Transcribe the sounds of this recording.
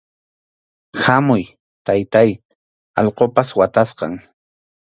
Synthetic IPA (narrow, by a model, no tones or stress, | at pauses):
hamʊj | t̪ajt̪aj | ɑʎqopaswat̪asqɑ̰ŋ